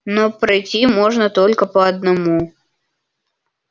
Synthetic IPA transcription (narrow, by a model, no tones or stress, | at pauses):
nopɾɐjtʲimoʐnət̪olʲkəpəɐd̪nɐmu